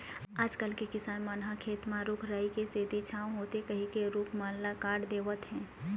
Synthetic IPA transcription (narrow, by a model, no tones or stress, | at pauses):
aːd͡ʒkəlkekɪsaːnmanɦakʰeːt̪mãɾʊkʰɾaːikeseːd̪it͡ʃʰaːwɦoːt̪ekɐɦĩkeɾʊkʰmaːnlakaːɖd̪eːʋət̪ɦɛ̃ː